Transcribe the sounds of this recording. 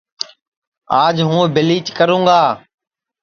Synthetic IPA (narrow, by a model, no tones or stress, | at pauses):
aːd͡ʒɦũːbɪliːt͡ʃkəɾũːɡaː